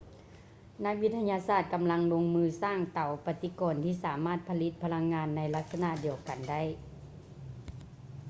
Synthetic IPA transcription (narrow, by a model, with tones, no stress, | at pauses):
na˦˥k̚wi˧˥t̪ʰːa˧ɲaː˧saː˧˩t̪̚ka˨mla˧˥ŋlo˧ŋmɯː˧saː˧˥˩ŋt̪a˨˩wpa˧t̪i˧˦kɔː˨nt̪ʰiː˧˩saː˩˦maː˥˩t̪̚pʰa˧li˧˥t̪̚pʰa˧la˧ŋːaː˧nːa˧˥jla˧˥k̪̚sa˧na˧˨di˨˧˨əwka˨˩nda˥˩j